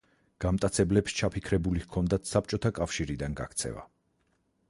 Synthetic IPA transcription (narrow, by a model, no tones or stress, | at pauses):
ɡ̥amt̪ʼat̪sʰɛblɛpʃt͡ʃʰapʰikʰɾɛbuliɣkʰɔnd̪at̪ʰsap̚t͡ʃʼɔt̪ʰakʼafʃiɾid̪anɡa̰kʰt̪sʰɛ̰va̰